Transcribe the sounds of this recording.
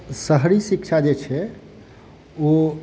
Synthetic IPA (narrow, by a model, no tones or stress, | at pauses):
səɦɾisikt͡ʃʰad͡ʒet͡ʃʰɛ | o